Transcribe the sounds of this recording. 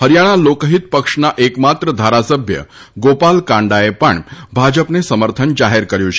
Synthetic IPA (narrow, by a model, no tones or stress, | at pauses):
ɦəɾjaɽ̃alokəɦit̪pəkʂnaʔekmat̪ɾəd̪ʱaɾasəbʱjə̰ | ɡopalkãɳɖaepəɳbʱad͡ʒəpnesəməɾt̪ʰənd͡ʒaɦeɾkəɾjũt͡ʃʰe̥